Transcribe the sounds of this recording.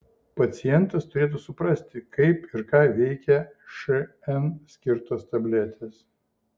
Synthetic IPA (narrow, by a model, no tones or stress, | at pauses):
pɐt̪sʲɪjɛnt̪ɐst̪ʊɾʲeːt̪usʊpɾɐsʲt̪ʲɪkɐɪpɪɾkɑːʋʲɛɪkʲɛʃɛ | ɛnsʲkʲɪɾt̪oːst̪ɐbʲlʲɛt̪ʲʰeːs